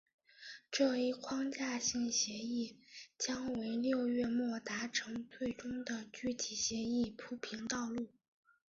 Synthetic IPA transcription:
ʈ͡ʂɤ˥˧i˥˩kʰwɑ˥ŋt͡ɕja˥˧ɕi˥˩ŋɕjɛ˧˥i˥˩t͡ɕjɑ˥ŋwe˧˥ɪljo˥˧ʊɥɛ˥˧mwɔ˥˩t̪a˧˥ʈ͡ʂʰɤ˧˥ŋt̪ʰwe˥˩ɪʈ͡ʂʊ˥ŋd̪ə˨t͡ɕy˥˩t͡ɕʰi˧˥ɕjɛ˧˥i˥˩pʰu˧˥pʰi˧˥nt̪ɑ˥˧ʊlu˥˩

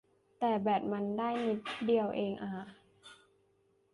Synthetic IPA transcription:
t̪ɛː˨˩bɛː˨˩p̚ma˧ndaː˥˩jni˧˥t̪̚di˧əwʔeː˧ŋʔaː˨˩

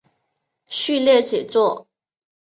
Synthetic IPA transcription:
ɕy˥˧ljɛ˥˩t͡ɕɛ˨˩t͡swɔ˥˩

